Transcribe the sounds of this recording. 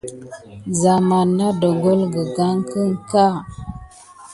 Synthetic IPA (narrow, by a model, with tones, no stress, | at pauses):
za˨ma˨nːa˦do˨ɡo˦lɡə˨ɡa˦ŋkə˦ŋka˦˨